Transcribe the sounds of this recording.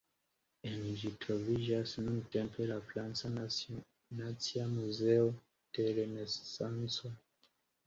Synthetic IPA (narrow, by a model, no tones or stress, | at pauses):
ɛnid͡ʒitʰɔviʒasinuntɛmpʰɛlaflansa | nat͡siamuzɛɔ | tɛlɛnɛssansɔ